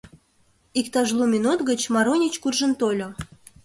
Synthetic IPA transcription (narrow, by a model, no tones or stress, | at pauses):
ikt̪ɑʒlˠumʲinut̪ɣət͡ɕmɑɾonʲit͡ɕkurʒə̆nt̪olʲo